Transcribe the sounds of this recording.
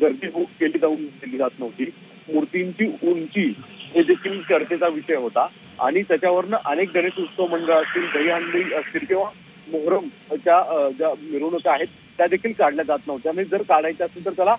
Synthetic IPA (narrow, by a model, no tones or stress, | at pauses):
ɡəɾd̪iːɦokkeliːd̪auːnkeliːd͡zat̪nəʋt̪iː | muɾt̪iɲt͡ɕiːunt͡ɕiːɦed̪ekʰiːlkəɾt̪et͡saʋiɕəjɦot̪a | a̰ɽ̃it̪jat͡ɕjaʋəɾnəʔənek̚d̪əneʂut̪səʋməɳɡaəst̪iːld̪ʱəiɦə̃nləiəst̪iːlkĩw̃ʋ̤a | moɦɾəm | t͡ɕjad͡ʑamiɾuːnəkəaɦet̪ːjad̪ekʰiːlkaɽljad͡zat̪nəʋt̪ianid͡zəɾkaɽajt͡ɕjaəsuːnt̪əɾt̪jala